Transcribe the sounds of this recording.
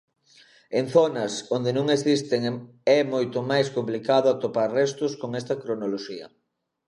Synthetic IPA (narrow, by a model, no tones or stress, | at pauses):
enθonɐsond̪enõŋesist̪eŋ | ɛmojt̪omajskomplikaðʊat̪opaɾrɛst̪ʊskoŋɛst̪ɐkɾonoloʃiɐ̰